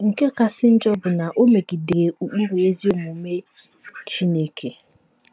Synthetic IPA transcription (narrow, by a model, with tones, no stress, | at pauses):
ŋ̩˨ke˦ka˨sɪ˦n̩˦d͡ʒɔ˦bʊ˨na˨ʔo˦me˨ɡi˨de˨ɾe˨u˨k͡pu˦ɾe˨e˦zi˦o˦mu˨˦me˦ | t͡ʃi˦ne˦kʰe˨